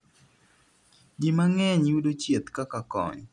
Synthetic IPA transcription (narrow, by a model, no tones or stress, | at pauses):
d͡ʒimaŋɛɲudot͡ʃjet̪kakakɔ̰ɲ